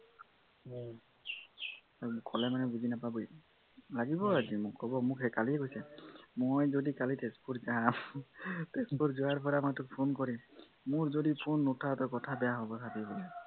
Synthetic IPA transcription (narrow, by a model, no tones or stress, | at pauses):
kʰɔlɛmanɛbuzinapabuj | laɡibɔazimʊkhɔbɔmʊkhɛkaliɛɡojsɛmojzodikalitespʰuɹzam | tespuɹzuaɹpɔɹamajtʊk̚pʰonkɔɹi | mʊɹzodipʰunːutʰatɔkɔtʰabɛjaɦobɔsʰatibɔ